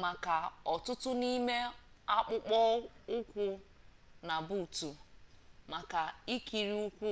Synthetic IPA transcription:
ma˨ka˨ɔ˨tʊ˦tʊ˦ni˦me˦a˦k͡pʊ˦k͡pɔ˦ʊ˦kʷʊ˦ | na˨bu˨tu˨ | ma˨ka˨i˦ki˨ɾi˦ʊ˦kʷʊ˦

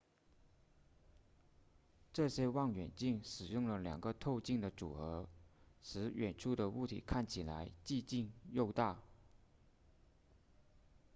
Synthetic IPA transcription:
ʈ͡ʂɤ˥˩ɕjɛ˥wɑ˥˩ŋɥɛ˨˩nt͡ɕi˥˩ŋʂɻ̩˨˩jʊ˥˩ŋlə˩ljɑ̰˨˩ŋɡə˦t̪ʰo˥˧ʊt͡ɕi˥˩ŋd̪ə˩ʈ͡ʂṵ˨˩ɤ˧˥ʂɻ̩˧˥ɥɛ˨˩nʈ͡ʂʰu˥˩d̪ə˩u˥˩t̪ʰḭ˨˩˦kʰa˥˩nt͡ɕʰi˨˩la˧˥ɪt͡ɕi˥˧t͡ɕi˥˧ŋjo˥˧ʊt̪a˥˩

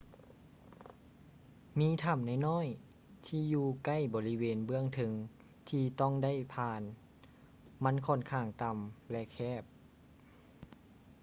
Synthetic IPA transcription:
miː˧˥t̪ʰa˧˩mna˧˩jnɔː˥˨j | t̪ʰiː˧juː˧ka˥˨jbɔː˧˦li˦˧weː˧nbɯ˧˥˩əŋt̪ʰɤ˧˦ŋ | t̪ʰiː˧t̪ɔ˥˩˨ŋda˥˨jpʰaː˧n | ma˧˥˨nkʰɔ˧˩˨nkʰaː˧˩ŋt̪a˧mlɛ˧ʔkʰɛː˧˥˩p̚

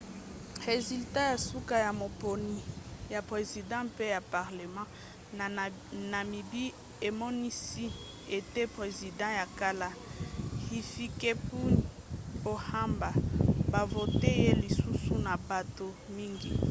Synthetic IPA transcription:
ʁe˨zy˨lta˦ja˨su˦ka˦ja˨mo˨po˨ni˨ja˨pʁe˨zi˨dɑ̃˦pe˦ja˨pa˨ʁle˨mɑ̃˦ | na˨mi˨bi˦ | e˨mɔ˦ni˦si˦ | e˨te˦pʁe˨zi˨dɑ̃˦ja˨ka˦la˦ | hi˨fi˦ke˦pu˦n˨o˨ha˦mba˨ba˨vo˨te˦je˦li˨su˦su˦na˨ba˨to˨ | mi˦ŋɡi˨

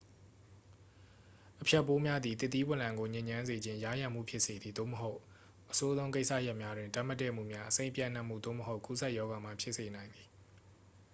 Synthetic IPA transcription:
ʔəpʰjɛ˦˨pːo˦mja˦d̪ði˨t̪ɪ˦t̪̬ːi˦wɪ̃˨lã˨ŋɡo˨ɲɪ̃˨ɲã˦nze˨d͡ʑɪ̃˦ja˦˨jã˨m̥ṵ˦˨pʰjɪ˦ʔse˨d̪i˨d̪o̰˦˨məɦo˦ʊʔ | ʔəso˦zõ˦ʊ̃k̬e˦ɪsä̰˦˨ja˦ʔmja˦dwɪ̃˨nta˦˨ma˦tːɛ̰˦˨m̥ṵ˦˨mja˦ʔəsẽ˦ɪ̃mpjã̰˦˨n̥ã˦ʔm̥ṵ˦˨d̪o̰˦˨məɦo˦ʊku˦sʰɛ˦ʔjɔ˦ɡa˨m̥a˦˨pʰjɪ˦ʔse˨nã˨ɪ̃nd̪i˨

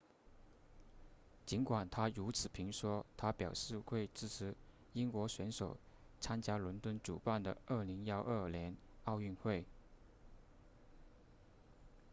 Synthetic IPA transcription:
t͡ɕi˧˥nkwa˨˩nt̪ʰa˥ɻu˧˥t͡sʰɹ̩˨˩pʰi˧˥ŋʂwɔ˥t̪ʰa˥pjɑ˨˩ʊʂɻ̩˥˧xwe˥˧ɪt͡sɹ̩˥˩t͡s̩ʰ˧˥ | i˥nkwɔ˧˥ɕɥɛ˧˥nʂo˨˩ʊ | t͡sʰa˥nt͡ɕja˥lwə˧˥nt̪wə˥nʈ͡ʂṵ˨˩pa˥˩nd̪ə̰˩ə˥˩li˧˥ŋjɑ˥˧ʊʔə˥˩ljɛ˧˥n | ɑ˥˧ʊy˥˧nxwe˥˩ɪ

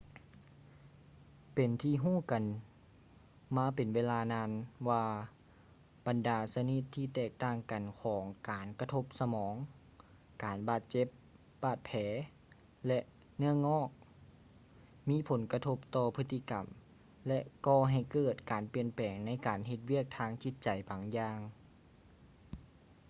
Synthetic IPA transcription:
pe˨˩nt̪ʰiː˧ɦuː˥˩˨ka˨˩n | maː˧˥pe˨nweː˧˥laː˧naː˧˥nwaː˧ | ba˨ndaː˨˩sa˧ni˧˥t̪ʰːiː˧t̪ɛː˧˩k̚t̪aː˧˩ŋka˨˩nkʰɔː˩˦ŋkaː˨˩nka˧t̪ʰo˧˥p̚sa˧mɔː˩˦ŋ | kaː˨nbaː˧˩t̪̚t͡ɕe˧˥p̚ | baː˧˩t̪̚pʰɛː˨˧˦ | lɛ˧ʔ | nɯ˧˥˩əŋɔː˧˥˩k̚ | miː˧˥˨pʰo˨˦nka˧t̪ʰo˧˥p̚t̪ɔː˧pʰɯ˧t̪ʰːi˧˨ka˨m | lɛ˧ʔkɔː˧˩ɦa˨˩jkɤː˧˩t̪̚kaː˨˩˦npi˨˧˩ənpɛː˨˩ŋna˧˥jkaː˨nɦe˧t̪̚wi˥˩ək̚t̪ʰaː˧˥˩ŋt͡ɕi˧˥t̪̚t͡ɕa˨˩jbaː˨˦ŋjaː˧ŋ

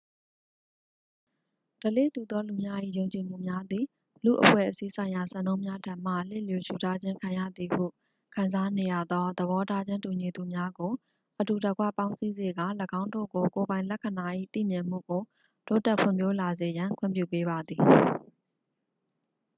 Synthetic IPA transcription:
d̥ə˨lḛ˦˨tu˨d̪ɔ˦lu˨mja˦ʔḭ˦˨jõ˨ʊ̃ɲt͡ɕi˨m̥ṵ˦˨mja˦d̪ði˨ | lṵ˦˨ʔəpʰwɛ̰˦˨ʔəsi˦sʰã˨ɪ̃ja˨sã˦˨nõ˦ʊ̃mja˦tʰã˦˨m̥a̰˦˨lḛ˦˨ljo˨ʃu˨ta˦d͡ʑɪ̃˦ŋkʰã˨ja̰˦˨d̪i˨hṵ˦˨ | kʰã˨nza˦ne˨ja̰˦˨d̪ɔ˦d̪əβɔ˦ta˦d͡ʑɪ̃˦ntu˨ɲi˨d̪u˨mja˦ɡo˨ | ʔətu˨də˨ɡwä̰˦˨pã˦ʊ̃si˦ze˨ɡa̰˦˨ləɡã˦ʊ̃ndo̰˦˨ɡo˨ko˨bã˨ɪ̃lɛ˦˨kʰə˨na˨ʔḭ˦˨t̪ḭ˦˨mjɪ̃˨m̥ṵ˦˨ɡo˨ | to˦tɛ˦pʰwɪ̰̃˨mpjo˦la˨ze˨jã˨ŋkʰwʊɪ̰̃˦mpjṵ˦˨pe˦ba˨d̪ði˨

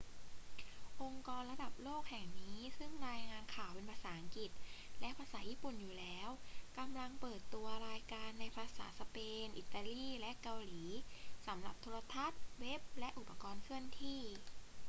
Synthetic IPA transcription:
ʔo˧ŋkɔː˧nɾa˧da˨˩p̚loː˥˩k̚hɛ˨˩ŋniː˦˥sɯ˥˩ŋɾaː˧jŋaː˧nkʰaː˨˩wpe˧npʰaː˧saː˩˦ʔa˧˦ŋki˨˩t̪̚lɛ˦˥pʰaː˧saː˩˦jiː˥˩pu˨˩njuː˨˩lɛː˦˥wka˧mla˧ŋpɤː˨˩t̪ːu˧ɐɾaː˧jkaː˧nːa˧jpʰaː˧sa̰ː˩˦sa˧peː˧nʔi˨˩t̪ːaː˧liː˥˩lɛ˦˥ʔka˧wliː˩˦sa˩˦mɾa˨˩p̚t̪ʰoː˧ɾa˧t̪ʰa˦˥t̪̚we˦˥p̚lɛ˦˥ʔu˨˩pːa˧kɔː˧nkʰɯ˥˩ənt̪ʰiː˥˩

